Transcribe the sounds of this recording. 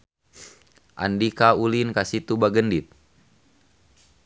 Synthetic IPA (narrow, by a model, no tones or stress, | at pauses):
ʔa̰ndikaulinkasit̪ubaɡəndit̪̚